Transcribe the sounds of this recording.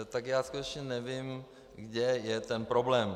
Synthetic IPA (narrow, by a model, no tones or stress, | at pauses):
t̪akjaːskut̪ɛt͡ʃɲɛnɛvɪm | ɡdɛjɛt̪ɛnpɾoblɛːm